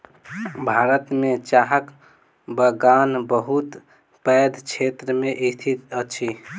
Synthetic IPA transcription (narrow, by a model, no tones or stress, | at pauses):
bʱaɾət̪met͡ʃaɦək | bəɡanbəɦut̪ | pəjd̪ʱt͡ʃʰet̪ɾəmeʔist̪ʰit̪ət͡ʃʰi